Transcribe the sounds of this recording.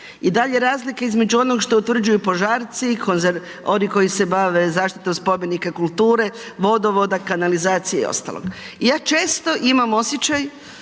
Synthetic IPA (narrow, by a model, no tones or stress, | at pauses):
id̪aʎeɾaːzlikaizme̞d͡ʒuo̞noɡʃt̪o̞ut̪ʋr̩d͡ʒujupo̞ʒaːɾt̪sikʰonzeɾ | oniko̞jise̞baʋe̞zaːʃt̪i̥t̪o̞mspo̞mʲe̞nikakulˠt̪uːɾe̞ʋo̞d̪oʋo̞d̪akanalizaːt̪sijeḭo̰st̪a̰loɡijaːt͡ʃe̞ːst̪o̞ʔimamo̞sʲjet͡ʃaj